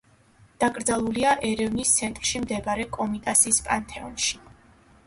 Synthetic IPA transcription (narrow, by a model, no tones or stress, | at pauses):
d̪̥akʼɾd̪zalˠuliaʔɛɾɛvnist̪sʰɛnt̪ʼɾʃimd̪ɛbaɾɛkʼɔmit̪ʼasiːspʼant̪ʰɛɔnʃi̥